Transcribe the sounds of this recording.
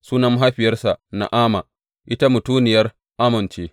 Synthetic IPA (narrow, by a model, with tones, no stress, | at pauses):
suː˦nɐ˦m˦ɦa˦ɸɪ˨jɐ˦rsa˨ʔna̰˨ʔaː˦ma˨ | ʔɪ˦ta˦mʊ˨tuː˦nɪ˨jɐ˦r | ʔa˦mɪ˨nt͡ʃeː˦